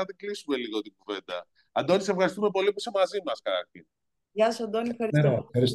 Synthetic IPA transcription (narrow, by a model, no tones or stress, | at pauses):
ɐðiɡlisume̞liɣot̪iŋɡuve̞nd̪ɐ̰ | ɐd̪onisefxɐɾist̪umep̬o̞lipusemɐzimɐskɐɐθin | ʝɐsod̪onifxɐɾeɾeɐɾis